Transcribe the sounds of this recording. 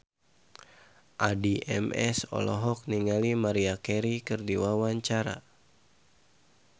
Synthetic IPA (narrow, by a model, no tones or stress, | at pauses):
ʔadiʔɛ̰mɛsɔ̰lɔ̰ɦɔk̚niŋalimaɾiakɛɾikɨrdiwawaɲt͡ʃaɾa̰